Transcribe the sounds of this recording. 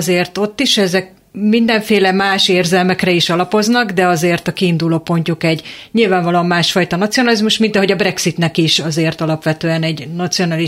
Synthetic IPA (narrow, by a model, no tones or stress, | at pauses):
zeːrt̪o̞t̪ːiʃɛzɛk̚ | mind̪ɛɱfeːlɛmaːʃeːrzɛlmɛkrɛiʃɒlɒpo̞znɒɡd̪ɛɒzeːrt̪ɒkiːnd̪uloːpo̞ɲcukɛɟɲilvaːɱvɒloːɒmːaːʃfɒjt̪ɒnɒt̪sijonɒlizmuʃmint̪ɒɦo̞ɟɒbrɛksit̪nɛkiʃɒzeːrt̪ɒlɒpʋɛt̪øːɛnɛɟnɒt̪sio̞nali